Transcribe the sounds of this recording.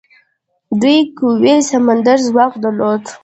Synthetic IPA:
d̪ujkəwesamand̪aɾzwɑqd̪alod̪

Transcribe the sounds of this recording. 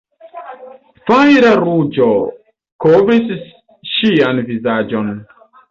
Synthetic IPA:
fajɾaɾud͡ʒo | kovɾis | ʃianvizad͡ʒo̞n

